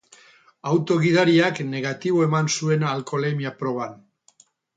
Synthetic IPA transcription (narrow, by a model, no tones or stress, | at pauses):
awt̪o̞ɣiðaɾiakne̞ɣat̪iβo̞e̞mansue̞nalko̞lemiapɾo̞βan